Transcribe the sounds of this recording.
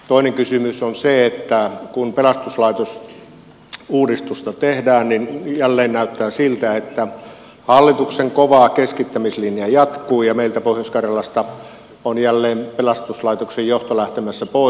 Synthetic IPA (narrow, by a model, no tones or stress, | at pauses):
t̪oˑineŋkysymysonseet̪ːækunpelɑst̪uslɑit̪os | uːdist̪ust̪ɑt̪ehdæːnninjælːeːnnæyt̪ːæːsilt̪æet̪ːæ | hɑlːit̪ukseŋkoʋɑkeskit̪ːæmislinjɑjɑt̪kuːjɑmeilt̪æpohjoskɑrjɑlɑst̪ɑ | onjælːeːmpelɑst̪uslɑˑit̪oksejjoht̪olæht̪emæsːæpoˑ